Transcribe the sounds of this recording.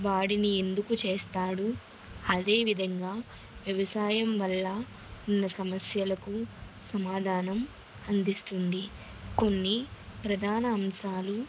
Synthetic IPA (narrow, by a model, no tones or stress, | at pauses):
ʋaːɽinie̞nd̪ukut͡ʃeːst̪aːɽu | ɐd̪e̞ːʋid̪ʱɐŋɡaː | ʋjɐʋɐsaːjɐmʋɐlːɐ | unːɐsɐmɐsjɐlɐku | sɐmaːd̪ʱaːnɐm | ɐnd̪ʱist̪und̪i | ko̞nːipɾɐd̪ʱaːnɐːmʃaːlu